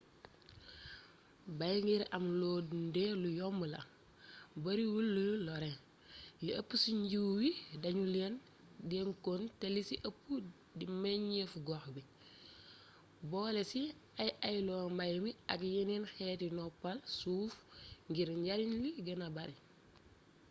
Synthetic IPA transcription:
bajŋɡiɾɐmlɔːdndɛlujɔmːəlɐ̰ | bɐɾiwulːəlɔɾɛ | jiɐpːusiɲɟiwwidɐɲulɛn | dɛŋkontelisiʔəpːu | dimɛɲefɡɔxbi | bɔːlɛsi | ɐjɐjlɔːmbajmiɐkjininxɛtinɔpːɐlsuːfŋɡiɾɲɟaɾinwiɡənabɐɾi

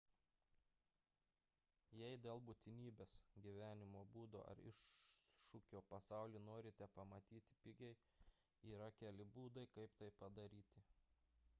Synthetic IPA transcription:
jɛɪd̪ʲeːlˠbuːt̪ʲɪnʲiːbʲeːsɡʲiʋʲæːnʲɪmoːbuːd̪o̰ːʔɐ̰ɾɪ̰ʃʃʊkʲoːpɐsɑˑʊlʲiːnoːɾʲɪt̪ʲɛpɐmɐt̪ʲiːt̪ʲɪ̥pʲɪɡʲɛɪ | iːɾɐkʲæːlʲɪbuːd̪ɐɪkɐɪpt̪ɐɪpɐd̪ɐɾʲiːt̪ʲɪ

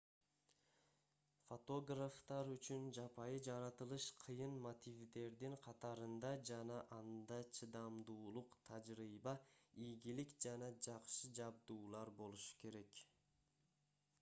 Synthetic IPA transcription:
fot̪o̞ɡraft̪ɑɾyt͡ʃynd͡ʒɑpɑjɯd͡ʒɑɾɑt̪ɯlˠɯʃqʰɯjɯnmot̪ivd̪e̞ɾd̪iɴqʰɑt̪ɑɾɯnd̪ɑd͡ʒɑnɑʔɑnd̪ɑt͡ʃʰɯd̪ɑmd̪uːlˠuqt̪ʰɑd͡ʒɾijbɑijɡilikd͡ʒɑnɑd͡ʒɑqʃɯd͡ʒɑb̚d̪uːlˠɑɾbo̞lˠuʃu̥ke̞ɾe̞k

